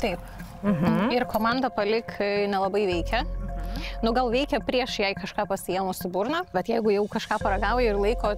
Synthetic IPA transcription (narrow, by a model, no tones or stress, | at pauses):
t̪ɐɪp | m̩ɦmɪɾkoːmɑnd̪ɐpɐlʲɪknʲɛlˠɐbɐɪʋʲɛɪkʲɛ | nʊɡɐlˠʋʲɛɪkʲɛpʲɾʲiɛʃjɛɪkɐʃkɑːpɐsʲɪjɛːmʊsɪbʊɾnɐbʲɛt̪jɛɪɡʊjɛʊkɐʃkɑːpɐɾɐɡɑːʊjɛɪrlˠɐɪkoː